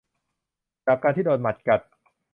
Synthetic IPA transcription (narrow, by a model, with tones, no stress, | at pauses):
t͡ɕaː˨˩kːaː˧nt̪ʰiː˥˩doː˧nma˨˩t̪̚ka˨˩t̪̚